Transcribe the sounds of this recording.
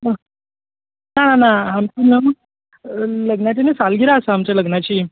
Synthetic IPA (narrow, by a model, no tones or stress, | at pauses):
nananaɦamt͡ɕiːnəm | ləɡɳjat͡ɕinet͡salɡiɾaəsaɦamt͡ɕjaləɡnat͡ɕiː